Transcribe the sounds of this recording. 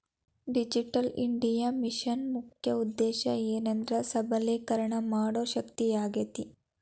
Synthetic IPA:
ɖid͡ʒiʈɐliɳɖijamiʃɐnmukʰjɐud̪ːeːʃɐeːnɐnd̪ɾɐsɐbʱɐleːkɐɾɐɳɐmaːɽoːʃɐkt̪ijaːɡɐt̪i

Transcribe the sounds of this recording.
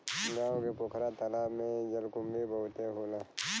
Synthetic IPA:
ɡaːõkepoːkʰɾat̪əlamẽd͡ʒəlkʊmbibɐɦʊt̪eɦoːlaː

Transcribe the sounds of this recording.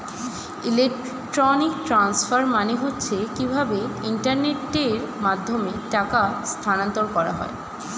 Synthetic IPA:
ilek̚ | ʈɾɔnikʈɾansfaɾmaneɦotːɕʰekibʱabeiɳʈaɾneʈːeɾmad̪ʱːomeʈakast̪ʰanant̪oɾkɔɾa̰ɦɔ̰e

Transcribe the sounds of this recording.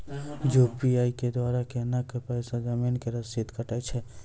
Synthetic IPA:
d͡ʒoːpiaːiked̪waːɾakenakepɛːsad͡ʒɐmiːnkeɾɐsit̪kʰəʈɛt͡ʃʰɛ

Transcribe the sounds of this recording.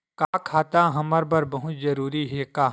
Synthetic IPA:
kakʰaːt̪aɦɐməɾbɐɾbɐɦʊt̪zɐɾuːɾiɦɛːkaː

